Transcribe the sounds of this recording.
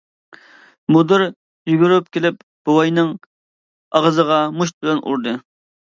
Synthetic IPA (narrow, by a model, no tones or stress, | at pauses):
mud̪ɨɾ | jyɡʲyɾyp̚kʲʰelɪp̚ | b̥uwɑjnɨŋ | ɑʁəzəʁɑmuʃ̬t̪̚bɪlɛnʔṵɾd̪ɨ